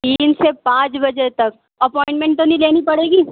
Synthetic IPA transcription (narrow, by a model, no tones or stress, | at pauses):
t̪iːnsepãːt͡ʃbɐd͡ʒet̪ɐk̚ | ɐpɔ̃ːɪ̃ɳʈmɛ̃ɳʈ̚t̪onɐĩleːnipɐɽeːɡiː